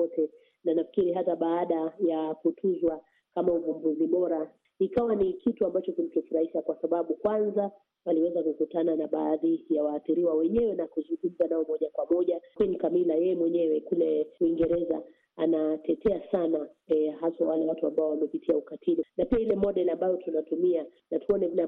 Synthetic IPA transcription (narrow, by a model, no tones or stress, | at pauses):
ɔtɛ | nanafi̥kiɾiɦataɓaːɗajakutʰuzwa | kamauvumbuziɓɔɾa | ikawanikʰituambat͡ʃɔkim̩kɛfuɾahiʃakwasaɓaɓukwanza | waliwɛzakukutananaɓaːðijawaːθiɾiwawɛɲɛwɛnakuzuŋɡum̩zanaɔmɔʄakwamɔʄakwinikamilajɛjɛmwɛɲɛwɛkulɛwiŋɡɛɾɛza̰ | anatɛtʰɛasanahasawalɛwatuambaɔwamɛpitʰiaukatʰilinapiailɛmɔɗɛlambajɔtunatumia | natuɔnɛna